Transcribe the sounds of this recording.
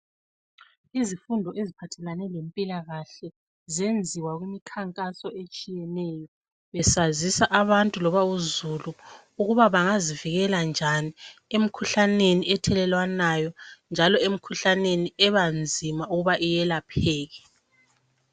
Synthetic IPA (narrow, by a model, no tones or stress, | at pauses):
izifundʱɔʔezipʰatʰɛlanɛlempʼilaɣaɬɛ | zend͡zʱiwaɣwimikʰaŋkʼasɔet͡ʃʼijɛnɛjɔ | βɛsazisaʔaβantʼulɔβauzulu | uɣuβaβaŋaziviɣɛland͡ʒʱaniem̩kʰuɬaneniɛtʰɛlɛlwanajɔnd͡ʒʱalɔem̩kʰuɬaneniɛβand͡zʱimauɣuβaʔijɛlapʰɛːɣɛ